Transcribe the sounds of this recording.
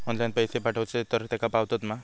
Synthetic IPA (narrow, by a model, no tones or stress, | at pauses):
ɔnlajnpəjsepaʈʰəwt͡set̪əɾt̪jakapaʋt̪ot̪ma